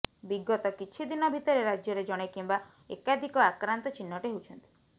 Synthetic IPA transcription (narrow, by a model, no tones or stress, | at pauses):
biɡɔt̪ɔkit͡ʃʰid̪inɔbʱit̪ɔɾeɾad͡ʒjɔɾed͡ʒɔɽ̃ekimba | ḛkad̪ʱikɔakɾant̪ɔt͡ʃinːɔʈiɦewt͡ʃʰɔnt̪i̥